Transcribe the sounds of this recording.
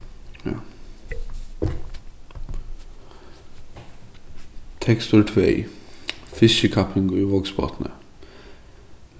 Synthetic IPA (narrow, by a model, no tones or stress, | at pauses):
t̪ʰɛkst̪ʊɹʈʰʋḛɪ | fɪsəkʰɑpʰɪŋɡoːiːʋɔɡsbɑ̰ːt̪nə̰